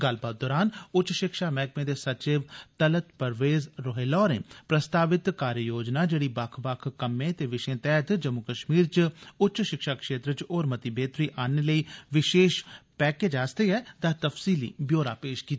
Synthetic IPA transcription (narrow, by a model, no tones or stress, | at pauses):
ɡəlbaːt̪̚d̪ɔːɾaːnʊt͡ʃːʃɪkʃaːmɛːkmẽːd̪eːsət͡ʃɪʋt̪ələt̪pəɾʋeːzɾoɦeːlɔːɾḛ̃ːpɾəst̪aːʋɪt̪kaːɾjəjoːd͡ʒnaːd͡ʒeːɽiːbakʰbakʰkəmẽːt̪eːʋɪʃẽːt̪ɛːt̪d͡ʒəmʊkəʃmiːɾt͡ʃʊtːt͡ʃʃʃɪkʃaːkʃeːt̪ɾət͡ʃoːɾmət̪ibeːt̪ɾiːʔaːneːləiːʋɪʃeːʃpɛːkeːd͡ʒaːst̪eːɛːd̪aːt̪əfsiːlḭːbjoːɾaːpeːʃkiːt̪ː